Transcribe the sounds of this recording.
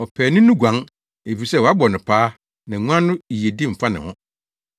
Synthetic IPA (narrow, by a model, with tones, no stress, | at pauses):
ɔ˨pʰæː˨nɪ̃˦nuʊ̃˦ɡʷã˨˦ŋ | e˨fi˨sɛ˦wɔ˨a˦bɔ˨nɪ̃˨pʰaː˦ | nã˨ŋʷũ˦ã˦nʊ̃˦i˨je˨dɪ˦m̩˨fa˦nɪ̰̃˨hɔ̰̃˦